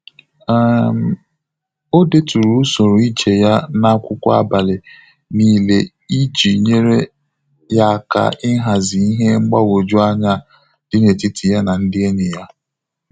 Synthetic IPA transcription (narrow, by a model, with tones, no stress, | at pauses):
m˨ | o˦de˦tu˨ɾu˦so˨ɾo˨i˦t͡ʃe˨ja˦na˦kʷʊ˦kʷa̰˦ba˨lɪ˨ | niː˦le˦ | i˦d͡ʒi˨ɲe˦ɾe˦ | ja˦˨ka̰˨ɪ˦ɦa˨zɪ˨i˦ɦe˦ŋ͡m̩˦ɡ͡ba˦wo˨d͡ʒʊ˦a˦ɲa˦ | d̥ɪ˦ne˨ti˦tʰi˨ja˦na˨n̩˦dɪ˦e˦nɪ˨ja˦